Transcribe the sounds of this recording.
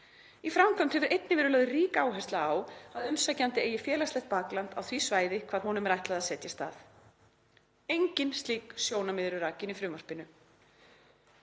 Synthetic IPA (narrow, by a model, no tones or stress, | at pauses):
ifɾamkʰvamt̪hɛvʏɾʔejt̪nɪvɛːɾʏlœːðʏriːkaːwɦɛst̪laawaðʏmsacant̪ɪeːjɪfjɛːlaslɛjht̪̚paklant̪a̰wθvisvaːjðɪkʰvaːɾ̥ɦɔnʏmɛɾajt̪laðaðsɛt̪jast̪a̰ːθ | ejɲcɪnst̪liːksjoːwnamɪðɾʏɾaːcɪnifɾʏːmaspɪnʏ